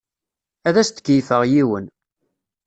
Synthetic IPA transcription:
æðæst̪ə̥kːəjfəʁjiwən

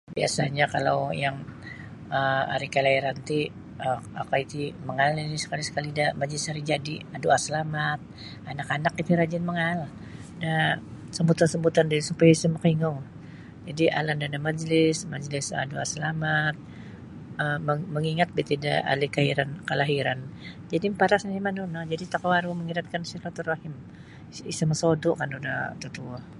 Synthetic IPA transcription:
biasaɲakala̰wjaŋ | əa̰ɾikalaiɾant̪i | əakait̪iməŋalinisə̥kalisə̥kalidamad͡ʒlɪsaɾid͡ʒadiaduasəlamat̪̚ | anakanakit̪iɾad͡ʒanməŋal | da | səmbut̪ansəmbut̪andasupajaisumakiŋaw | d͡ʒadiʔa̰landadamad͡ʒlɪsmad͡ʒlɪsa̰dua̰səlamat̪̚ | əəməŋiŋat̪̚bit̪ida̰a̰likaiɾankəlaɦiɾand͡ʒadipaɾasnimanunad͡ʒadit̪akoaɾuməŋiɾat̪̚kansilat̪urahɪm | isaməsodɔʔkanduda̰t̪ut̪uah

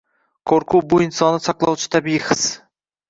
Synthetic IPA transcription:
kʰoɾkʰʊwbʊɪnsɒnɪsɑqlˠɒwt͡ʃʰɪ̥t̪ʰabɪjɪχɨs

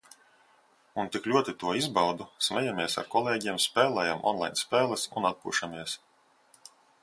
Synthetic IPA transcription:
unt̪iklʲuɔt̪it̪uɔizbɑwd̪usmɛjamiɛsa̰ɾkɔlˠeːɟiɛmspɛːlˠɛːjamʔɔ̰nlˠa̰jnspɛːlˠɛsṵnat̪̚pṵːʃamiɛs

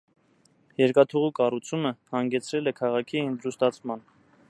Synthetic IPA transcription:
jɛɾkɑt̪ʰuʁukɑrut͡sʰuməhɑŋɡɛt͡sʰɾɛlɛkʰɑʁɑkʰiənd̪ɾust̪ɑt͡sʰmɑn

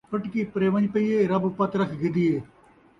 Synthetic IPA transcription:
pɐʈkipɾeːʋəɲpɐieːɾɐbpɐt̪ɾəkʰɡɪd̪ieː

